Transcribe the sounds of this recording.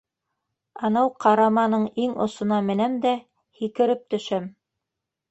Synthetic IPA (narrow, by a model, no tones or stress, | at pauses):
ɑnɑwqʰɑɾɑmɑnɤɴiŋŏ̰sŏnɑmɘ̆næmd̪æ | hikɘ̆ɾɘp̚t̪ɵ̆ʃæm